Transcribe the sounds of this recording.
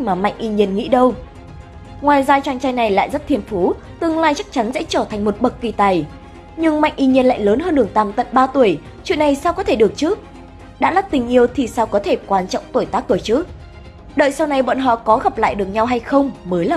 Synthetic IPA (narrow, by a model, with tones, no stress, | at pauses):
maː˨˩ma̰˧˨jŋ̟ʔi˧ɲi˧ənŋḭ˧˥ɗə˧w | ŋwaː˨˩jzaː˧t͡ɕwaː˧nt͡ɕa˧jna˨˩jla̰ː˧˨jzə˦˥t̚t̪ʰi˧ənfu˨˦ | t̪ɨ˨əŋlaː˧jt͡ɕa˦˥k̚t͡ɕa˨˦nsɛ̰˧˥t͡ɕəː˧˩t̪ʰa˨˩ŋ̟mo˨˩t̚ɓə˨˩k̚ki˨˩t̪a˨˩j | ɲɨ˧ŋma̰˧˨jŋ̟ʔi˧ɲi˧ənla̰ː˧˨jləː˨˦nɦəː˧nɗɨ˨˩əŋt̪aː˨˩mt̪ə̰˧˨nɓaː˧t̪u˧˩əj | t͡ɕwḭ˧˨ənːa˨˩jsaː˧wkɔ˨˦t̪ʰe˧˩ɗɨ˨˩ək̚t͡ɕɨ˦˥ək̚ | ɗa̰ː˧˥la˦˥t̚t̪ï˨˩ŋ̟ʔi˧əwt̪ʰi˨˩saː˧wkɔ˨˦t̪ʰe˧˩kwaː˧nt͡ɕɔ̰˧˨wŋ͡mt̪o˧˩jt̪aː˦˥k̚t̪u˧˩əjt͡ɕɨ˦˥k̚ | ɗə̰ː˧˨jsa˧wna˧˩jɓɔ̰˧˨nɦɔ̰˧˨kɔ˨˦ɣa˨˩p̚la̰ː˧˨jɗɨ˨˩ək̚ɲa˧wɦa˧jxə˧wŋ͡mməː˨˦jlaː˨˩